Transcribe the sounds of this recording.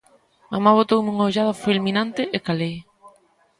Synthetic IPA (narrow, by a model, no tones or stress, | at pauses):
mamaβot̪owmuŋaoʎaðɐfelmĩnant̪ɪʔekale